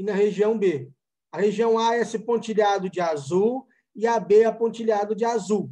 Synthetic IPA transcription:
inɐɦeʒiɐ̃w̃be | ɐheʒiɐ̃w̃aɛsɪpõnt͡ʃiʎad̪ʊd͡ʒɪazuw | iabeapõt͡ʃiʎad̪ʊd͡ʒɪazuw

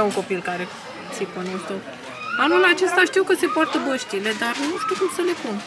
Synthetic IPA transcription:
euŋko̞pilkaɾe̞ | siponest̪o | anulat͡ʃe̞st̪aʃt̪iwkəse̞poart̪əbəʃt̪ile̞d̪arnuʃt̪iwkɨmsəle̞pun

